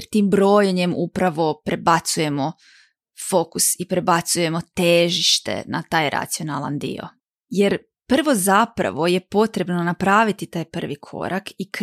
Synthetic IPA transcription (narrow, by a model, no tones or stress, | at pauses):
ɾt̪iːmbɾo̞ːjeɲe̞mupɾaʋo̞pɾe̞bat̪suje̞mo̞ | fo̞kusipɾe̞bat̪suje̞mo̞t̪eʒiʃt̪ḛna̰t̪aːjɾa̰t̪sijonalˠa̰nd̪ḭo̰ | je̞ɾ | pr̩ʋo̞zapɾa̰ʋo̞je̞po̞t̪ɾe̞bno̞napɾaːʋit̪it̪aːjpr̩ʋikʰo̞̰ɾakik